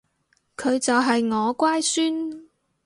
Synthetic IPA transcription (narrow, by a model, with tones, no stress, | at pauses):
kʰɵ˨˧ɥt͡sɐ˨wɦɐ˨jŋɔː˨˧kʷaː˥jsyː˥n